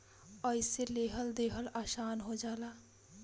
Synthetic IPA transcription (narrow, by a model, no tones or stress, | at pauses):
əjseleːɦəld̪eːɦəlaːʃaːnɦod͡ʒaːla